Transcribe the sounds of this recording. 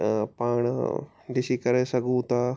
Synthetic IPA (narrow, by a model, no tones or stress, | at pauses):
paːɽ̃ | ɖɪsikɐɾesɐɡʱũt̪a